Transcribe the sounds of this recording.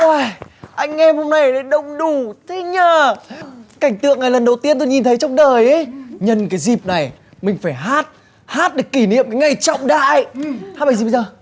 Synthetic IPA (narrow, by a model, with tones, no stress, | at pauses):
o˧˩jʔa˧jŋ̟ŋɛ˧mho˧mna˨˩jɗe˨˦ɗə˧˨wŋ͡mɗu˧˩t̪ʰe˨˦ɲəː˨˩ | ka˧˩jŋ̟t̪ɨ̰˧əŋːa˨˩jlə˨˩nɗə˨˩wt̪i˧ənt̪o˧jɲi˨nt̪ʰə˨˦jt͡ɕɔ˧wŋ͡mɗəː˨˩jʔə˨˦jɲə˨˩nkaː˨˦jzi˨˩p̚na˨˩j | mï˨˩ŋ̟faː˧˩jɦaː˦˥t̚ | haː˦˥t̚ɗɨ˨˩əkːi˧˩nḭ˧˨əmkaː˨˦jŋa˨˩jt͡ɕɔ̰˧˨wŋ͡mɗa̰ː˧˨jhaː˦˥ɓa˧˩ziː˨ɓzəː˨˩